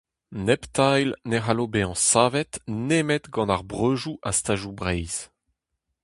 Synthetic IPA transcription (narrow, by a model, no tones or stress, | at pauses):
nɛpt̪ajlneʁalobeɑ̃saːvɛt̪neːmɛt̪ɡɑ̃naʁbʁøːʒuʔast̪aːʒubʁɛjz̥